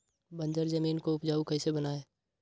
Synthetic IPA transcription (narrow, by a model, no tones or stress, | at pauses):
bə̃nd͡ʒəɾzəmiːnkoʊpd͡ʒaːukɐisebənaːeː